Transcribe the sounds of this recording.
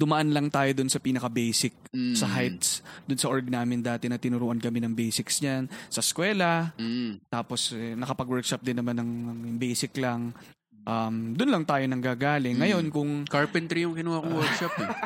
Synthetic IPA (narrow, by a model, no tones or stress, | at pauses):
d̪ʊmɐʔanlɐŋt̪aːjo̞d̪ʊnsɐpiːnɐkɐbɛjsɪk̚sɐɦajt̪sd̪ʊnsɐʔoɹɡ̚naːmɪnd̪aːt̪ɛnɐt̪ɪnʊɾuːʔɐnkɐmɛnɐŋbɛjsɪksɲansɐskwɛːlɐ | t̪aːpo̞sɛnɐkɐpɐɡwɛɹkʃɐp̚d̪ɪnːɐmanːɐŋɐbɛjsɪklɐŋ | ʔɐmd̪ʊnlɐŋt̪aːjo̞nɐŋɡaːɡaːlɪŋːɐjo̞nkʊŋkaɹpɛnt̪ɾijʊŋkɪnuːhakʊŋwɛɹkʃapɛ